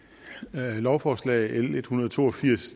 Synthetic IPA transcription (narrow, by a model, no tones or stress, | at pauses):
lɒʊfɒːslɛ̰ːele̝d̥hunɐð̞ˠt͡sʰo̝̰ːɒfiɐ̰s